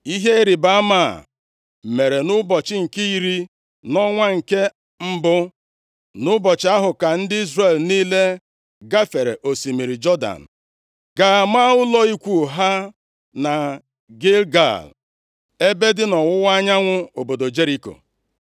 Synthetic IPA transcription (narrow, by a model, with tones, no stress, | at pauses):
i˦ɦe˦ɾi˨ba˦ma˦˨ | me˨ɾe˨nʊ˦bɔ˨t͡ʃɪ˦ŋ̩˨ki˦i˨ɾi˦ | nɔ˦ŋʷa˦ŋ̩˨ke˦ | m̩˦bʊ˦ | nʊ˦bɔ˨t͡ʃɪ˨˦a˦ɦʊ˨ka˨n̩˦dɪ˦i˦zre˨lniː˦le˦ | ɡa˦fe˨ɾḛ˨ʔo˨si˨mi˨ɾi˨d͡ʒɔ˦da̰˨n̩˨ | ɡa˨ma˦ʊ˦lɔ˦i˦kʷu˨ɦa˦ | na˨ | ɡe˦lɡa̰˨l | e˦be˦dɪ˦nɔ˨wʊ˦wa˦ɲa˦ŋʷʊ˦o˨bo˨do˨d͡ʒe˦ɾi˦ko̰˨